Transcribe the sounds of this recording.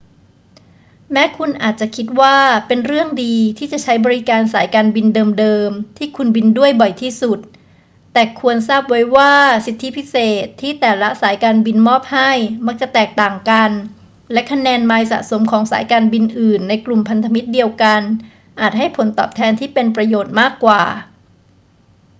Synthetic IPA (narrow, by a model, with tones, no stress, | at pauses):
mɛː˦˥kʰu˧nʔaː˨˩t̪̚t͡ɕa˨˩kʰi˦˥t̪̚waː˥˩pe˧nɾɯ˥˩əŋdiː˧t̪ʰiː˥˩t͡ɕa˨˩t͡ɕʰa˦˥jbɔː˧ɾi˦˥kaː˧nsaː˩˦jkaː˧nbi˧ndɤː˧mdɤː˧mt̪ʰiː˥˩kʰu˧nbi˧ndu˥˩əjbɔ˨˩jt̪ʰiː˥˩su˨˩t̪̚ː | ɛː˨˩kʰu˧ənsaː˥˩p̚wa˦˥jwaː˥˩si˨˩t̪ʰːi˦˥pʰi˦˥seː˨˩t̪ʰːiː˥˩t̪ɛː˨˩la˦˥saː˩˦jkaː˧nbi˧nmɔː˥˩p̚ha˥˩jma˦˥k̚t͡ɕa˨˩t̪ɛː˨˩k̚t̪aː˨˩ŋka˧n | lɛ˦˥kʰa˧nɛː˧nmaː˧jsa̰˨˩so˩˦mkʰɔː˩˦ŋsaː˩˦jkaː˧nbi˧nʔɯː˨˩nːa˧jklu˨˩mpʰa˧nt̪ʰa˧mi˦˥t̪̚di˧əwka˧n | ʔaː˨˩t̪̚ha˥˩jpʰo˩˦nt̪ɔ̰ː˨˩p̚t̪ʰɛː˧nt̪ʰiː˥˩pe˧npɾa˧joː˨˩t̪̚maː˥˩kːwaː˨˩